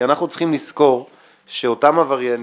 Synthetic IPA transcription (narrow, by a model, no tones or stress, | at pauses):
anaχnut͡sχimlisko̞ʁ | ʃeotamavaʁjen